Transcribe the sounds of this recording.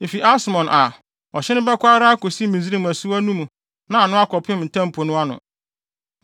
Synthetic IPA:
e˨fi˨ʔa˦smɔ̃˨nʔa˨ | ɔ˨ɕɛ˦nʊ̃˦bɛ˦kʷa˦ɾa˦a˦ko˨si˦mĩ˨zi˦ɾi˦m˨æ˨su˦æ˦nũ˦mũ˨ | nã˨a˨nʊ̃˦a˦kɔ˨pʰɪ̃˦m˨n̩˨tʰã˦m˨pʰo˨nʊ̃˦a˦nʊ̰̃˨

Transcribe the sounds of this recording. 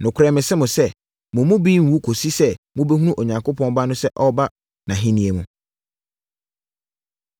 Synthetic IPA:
nʊ̃˨kʰʷʊ˨ɾɛ˦˨mɪ̃˨sɪ˦mʊ̃˨sɛ˦ | mʊ̃˨mʊ̃˦biː˦m̩˨wu˦kʰo˨si˦sɛ˦mʊ̃˦bɛ˦ɦũ˦nũ˦ʔo˨ɲã˨ŋkʰʊ˦pʰɔ̃˦n˦ba˦nʊ̃˦sɛ˦ʔɔ˦ba˦ | nã˨ɦɪ̃˦nĩ˨˦e˨mũ˨

